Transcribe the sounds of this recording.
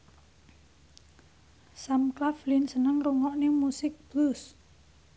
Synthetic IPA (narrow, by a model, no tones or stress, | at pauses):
samklaflinsənəŋruŋɔʔnimusɪk̚b̥lus